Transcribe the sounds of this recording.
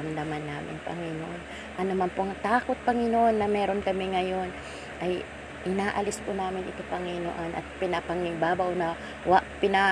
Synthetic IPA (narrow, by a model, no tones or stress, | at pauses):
ɐmd̪ɐmanːaːmɪ̰npɐ̰ŋɪnoʔon | ʔɐnomɐnpoʔɐŋt̪aːko̞t̪̚pɐŋɪnoʔo̞nːɐmɛːɾo̞nkɐmɪŋɐjo̞n | ʔɐj | ʔɪnaːʔɐlɪspʊnaːmɪnʔɪ̰t̪opɐŋɪno̰ʔanʔɐ̰t̪̚pɪnɐpɐŋɪŋbaːbɐwnɐ | waʔpɪna